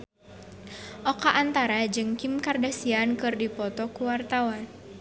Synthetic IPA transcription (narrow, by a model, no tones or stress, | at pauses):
ʔɔkaʔːnt̪aɾad͡ʒɨŋkimkardasiankɨrdipɔt̪ɔkuwart̪awan